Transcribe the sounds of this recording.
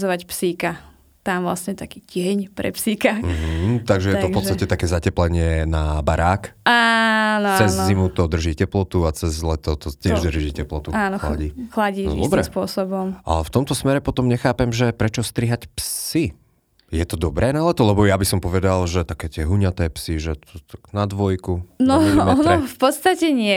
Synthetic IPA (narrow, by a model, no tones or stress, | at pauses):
zɔʋacpsiːka | t̪amʋlasɲɛt̪akiːcɪɛɲpɾɛ̰psiːkam̩ɦ̩t̪aɡʒɛjɛt̪ɔpɔt͡st̪atɛt̪akɛːzacɛplɛɲɪɛnabaɾaːkanɔt͡sɛzːimut̪ɔd̪r̩ʒiːcɛplɔt̪uat͡sɛzlɛt̪ɔt̪ɔt̪ɪɛʒd̪rʒiːcɛplɔt̪uaːnɔxla̰ɟiːxlaɟiːnɔ̰d̪ɔbɾɛspʊɔsɔbɔmʔa̰lɛft̪ɔmt̪ɔsmɛɾɛpɔt̪ɔmɲɛxaːpɛmʒɛpɾɛt͡ʃɔst̪ɾiɦacpsi | jɛt̪ɔd̪ɔbɾɛːnalɛt̪ɔlɛbɔjabisɔmpɔʋɛd̪alʒɛt̪akɛːt̪ɪɛɦuɲat̪ɛːpsiʒɛt̪ɔt̪aɡ̥nad̪ʋɔjkunɔɔnɾfpɔt̪st̪acɛɲɪɛ